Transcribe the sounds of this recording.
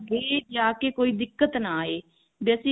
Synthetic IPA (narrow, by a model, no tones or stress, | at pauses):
eːd͡ʒaːkeːkoːiːd̪ɪkːət̪naːeː | beəsĩː